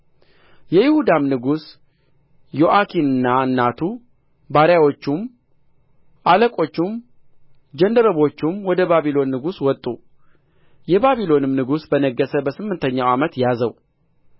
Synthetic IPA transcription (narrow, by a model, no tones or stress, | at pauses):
jɛjɪhud̪amnɨɡus | jo̞ʔakʰinɨnːaɨnːat̪ʰu | baɾjawo̞t͡ʃːum | ʔaləkʼo̞t͡ʃːum | d͡ʒənd̪əɾəβo̞t͡ʃːumwɔd̪əbaβilo̞nːɨɡuswɔt̪ʼːu | jɛbaβilo̞nɨmnɨɡusbənəɡːəsəbəsɨmːɨnt̪ʰəɲːawamət̪jazəw